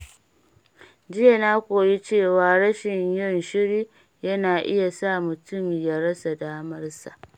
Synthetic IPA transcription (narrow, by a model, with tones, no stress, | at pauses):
d͡ʒɪ˦ja˨naː˦kʷoː˨ji˦t͡ʃeː˦˨waː˨ɽɐ˦ʃɪ˨ɲjɔ˦˨nʃɪ˦ɽiː˦ | jɐ˦naː˨ʔɪ˦ja˨saː˦˨mʊ˨tʊ˦mja˦ɽɐ˦sa˨daː˦mɐ˦rsa˨ʔ